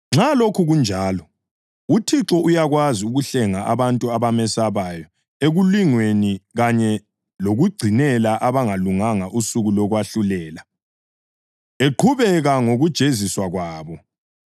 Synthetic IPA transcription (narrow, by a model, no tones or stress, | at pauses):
ŋ͡ǁalokʰuɣund͡ʒʱaːlɔ | utʰiǁɔʔujaɣwaziuɣuɬɛŋaʔaβantʼuaβamɛsaβajɔ | eɣuliŋweniɣaɲɛ | loɣuɡ͡ǀʱinɛlaʔaβaŋaluŋaŋaʔusuɣulɔɣwaɬulɛːla | eǃʰuβɛɣaŋoɣud̥ʒ̥ʱeziswaɣwaːβɔ